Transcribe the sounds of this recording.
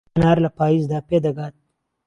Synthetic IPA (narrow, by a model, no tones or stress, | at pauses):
nɑːɾlapɑːizd̪aped̪aɡat̪̚